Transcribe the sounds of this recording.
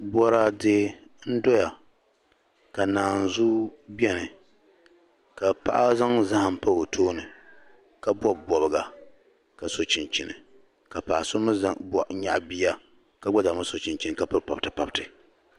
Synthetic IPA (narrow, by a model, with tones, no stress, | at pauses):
bɔ˦ɾa˦dɨ˦n̩˦dɔ˦ja˨ | ka˨naː˨n˨zu˦bi˦ɛ˦nɨ˨ | ka˨pa̰˦ʔa˦za˦ŋza˦ha˨m˨pa˦o˨tʰoː˦nɨ˨ | ka˦bɔ˦bɔ˨bɨ˨ɡa˨ | ka˨so˨t͡ʃɪ˨nt͡ʃi˨nɨ̰˨ | ka˨paː˨sʊ˦mɨ˦za˦bɔ˨ʔɲa̰˨ʔbi˦a˦ | ka˦ɡɔ˦d͡ʒa˨ma˦so˨t͡ʃi˨nt͡ʃi˦nɨ˨ka˨pɨ˦ɾpa˨btɨ˨pa˨btɨ˨